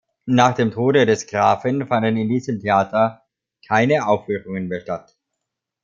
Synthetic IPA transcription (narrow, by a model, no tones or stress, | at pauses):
naːχd̥eːmtʰoːdədɛsɡ̥ʁaːfənfandənɪndiːzəmtʰeaːtʰɐ | kʰaɪnəʔaʊfvyːʁʊŋənmeːɐʃtat